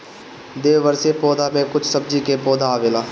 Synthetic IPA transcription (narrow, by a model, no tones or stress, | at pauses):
d̪eːʋəɾsepɔːd̪aːmẽːkʊt͡ʃʰsəb̚d͡ʒiːkeːpɔːd̪aːʋeːlaː